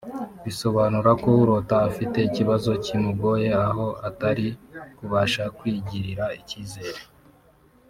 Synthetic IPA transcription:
βiso̞βanuɾako̞uɾo̞taːfite̞iciβazo̞cimuɡo̞je̞aɦo̞ʔataɾikuβaʃakwiːɟiɾiɾaiciːze̞ːɾe

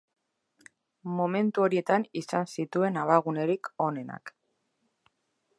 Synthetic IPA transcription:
mo̞me̞nt̪uo̞ɾie̞t̪anisansit̪ue̞naβaɣune̞ɾiko̞ne̞na̰k

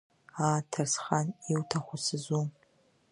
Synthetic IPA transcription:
aːtʰarsχaniwtʰaχʷʊsɨzun

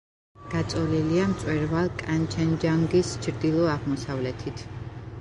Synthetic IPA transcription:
ɡ̥at̪sʼɔliliamt̪sʼwɛɾvalˠkʼant͡ʃʰɛnd͡ʒaŋɡist͡ʃʰɾd̪ilˠɔaʁmɔsavlɛt̪ʰit̪ʰ

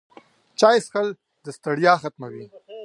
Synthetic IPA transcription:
t͡ʃaːjsxəl | d̪əst̪aɽjɑːxat̪mawi

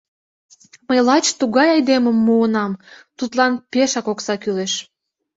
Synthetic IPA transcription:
məjlɑt͡ɕt̪uɣɑjɑjd̪eməmːuənɑmt̪ut̪lɑnpeʃɑkoksɑkyleʃ

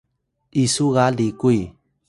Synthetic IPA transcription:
isuɣalikui

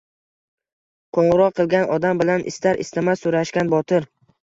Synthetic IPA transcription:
qʰoɴʁɨɾɒqqːɨlˠɡʲanɒd̪ambɪlanʔɪ̰st̪aɾʔɪ̰st̪ʰamasʊɾaʃkʲanbɒt̪ʰɪɾ

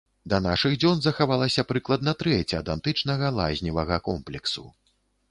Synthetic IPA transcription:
d̪ɐnaʂɨɣd͡zʲɔnzɐxavalˠɐsʲɐpɾɨklˠɐd̪nɐt̪ɾɛt͡sʲɐɐd̪ant̪ɨt͡ʂnɐɣɐlˠa̰zʲnʲivɐɣɐkɔmplʲɛksu

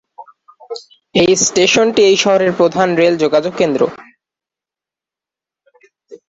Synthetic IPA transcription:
ejsʈeʃonʈiejʃɔɦoɾeɾpɾod̪ʱanɾeld͡ʑoɡad͡ʑoɡkkːend̪ɾo

